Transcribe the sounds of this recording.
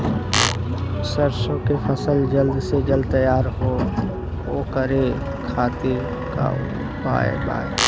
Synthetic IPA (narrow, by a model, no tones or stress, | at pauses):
səɾsõkepʰəsəld͡ʒəld̪sed͡ʒəld̪̚t̪əjaːɾɦo | oːkəɾe | kʰaːt̪iɾ | ka̰ | pa̰ːḛba̰ːe